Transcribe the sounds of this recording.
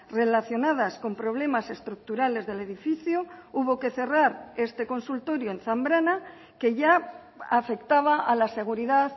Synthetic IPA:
re̞laθjo̞naðasko̞mpɾo̞β̞le̞mase̞st̪ɾuk̚t̪uɾale̞zðe̞le̞ðifiθjouβo̞ke̞θe̞raɾe̞st̪e̞ko̞nsult̪o̞ɾjoenθambɾana | ke̞ʝa | afe̞kt̪aβ̞aalase̞ɣ̞uɾiðaθ

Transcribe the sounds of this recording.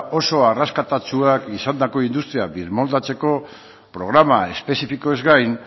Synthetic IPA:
o̞so̞araskat̪at͡suakisand̪ako̞ind̪ust̪ɾiabiɾmo̞ld̪at͡se̞ko̞ | pɾo̞ɣɾamae̞spe̞sifiko̞e̞zɡajn

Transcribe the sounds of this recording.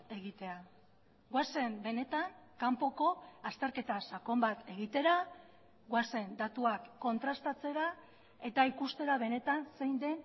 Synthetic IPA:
e̞ɣit̪e̞a | ɡwase̞mbe̞ne̞t̪aŋkampo̞ko̞ast̪e̞ɾke̞t̪asako̞mbat̪e̞ɣit̪e̞ɾa | ɣwase̞nd̪at̪uakːo̞nt̪ɾast̪at͡se̞ɾa | e̞t̪aikust̪e̞ɾaβe̞ne̞t̪anse̞jnd̪e̞n

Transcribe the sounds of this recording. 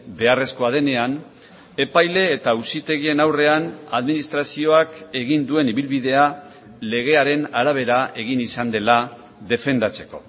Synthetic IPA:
be̞are̞sko̞að̞e̞ne̞an | e̞pajle̞ːt̪ausit̪e̞ɣie̞nawre̞anaðminist̪ɾasio̞ake̞ɣind̪ue̞niβilβiðe̞a | le̞ɣ̞e̞aɾe̞naɾaβ̞e̞ɾae̞ɣ̞inisand̪e̞la | ðe̞fe̞nd̪at͡se̞̥ko̞̰

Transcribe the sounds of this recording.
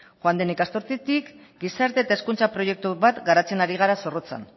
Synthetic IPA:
xoand̪enikast̪oɾt̪it̪ik | ɡisaɾt̪e̞ːt̪ae̞skunt͡sapɾo̞je̞k̚t̪uβat̪ɡaɾat͡se̞naɾiɣ̞aɾaso̞rot͡sa̰n

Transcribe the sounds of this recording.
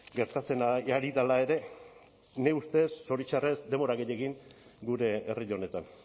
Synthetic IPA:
ɡe̞ɾt̪at͡se̞naaɾiðalae̞ɾe̞ | ne̞ust̪e̞sːo̞ɾit͡ʃare̞zd̪e̞mo̞ɾaɣeʎe̞ɣiŋɡuɾe̞ːriʎone̞t̪an

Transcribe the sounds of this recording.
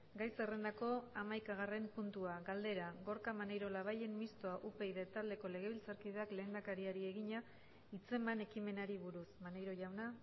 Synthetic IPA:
ɡajsere̞nd̪ako̞amajkaɣ̞are̞mpunt̪uaɡald̪e̞ɾaɣo̞ɾkamanejɾolaβ̞aje̞mmist̪o̞aʔupe̞jðat̪ald̪e̞ko̞le̞ɣ̞e̞β̞ilt͡saɾkið̞e̞akle̞ːnd̪akaɾiaɾie̞ɣiɲa | it͡se̞mane̞kime̞naɾiβuɾusmanejɾo̞ʝawna

